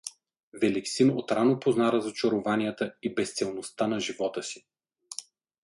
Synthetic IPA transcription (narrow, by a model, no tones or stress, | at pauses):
vɛliksinot̪ɾanopoznaɾəzot͡ʃɐɾovanijət̪əibɛst̪sɛlˠnost̪anɐʒivɔt̪əsi̥